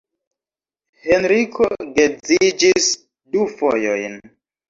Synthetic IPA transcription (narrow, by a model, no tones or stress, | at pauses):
henɾikʰoɡed͡zid͡ʒis | dufojojn